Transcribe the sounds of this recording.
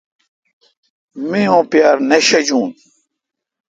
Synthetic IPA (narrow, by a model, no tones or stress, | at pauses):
mẽõːpjaːɾneɕɐd͡ʑũːn